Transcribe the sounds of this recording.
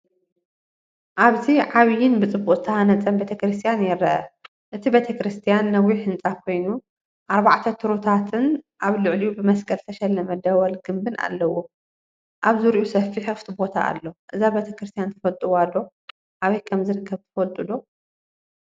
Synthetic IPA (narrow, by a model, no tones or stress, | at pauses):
ʔaβziʕaβjɪnbɨt͡sʼɨbːuʔʼɨt̪ʰɐhanɐt͡sʼɐmbet̪ʰɐkɾɨst̪ʰijanjɪɾɐʔɐ | ʔɨt̪ʰibet̪ʰɐkɾɨst̪ʰijanːɐwiħɨnt͡sʼakʰo̞jnu | ʔaɾbaʕt̪ʰɐt̪ʰɨɾot̪ʰat̪ʰɨnʔaβlɨʕlijubɨmɐskʼɐlt̪ʰɐʃɛlːɐmɐd̪ɐwɐlɡɨmbɨna̰lːɐwo̞ | ʔaβzɨɾʔusɐfːiħɨft̪ʰibo̞t̪ʰa̰a̰lːoʔɨzabet̪ʰɐkɾɨst̪ʰijant̪ʰɐfɐlt̪ʼuwad̪o̞ | ʔaβɐjkʰɐmzɨɾɨkʰːɐβt̪ʰɐ̥fɐlt̪ʼɨd̪o̞